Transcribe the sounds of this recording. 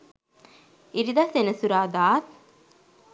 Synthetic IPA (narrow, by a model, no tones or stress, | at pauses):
iɾid̪asenəsuɾaːd̪aːt̪̚